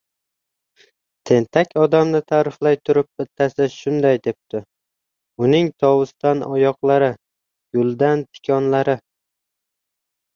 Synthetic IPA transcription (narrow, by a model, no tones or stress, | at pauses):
t̪ʰe̞nt̪ʰakʲʰɒd̪amnɪt̪ʰaːɾɪflajt̪ʰʊɾɪp̚bɪt̪ʰːasɪʃʊnd̪ajd̪e̞p̚t̪ʰɪ | ʊnɪŋt̪ʰɒwʊst̪anɒjɒqlˠaɾɪ | ɡ̥ʊlˠd̪ant̪ʰɪ̥kʲʰɒnlaɾɪ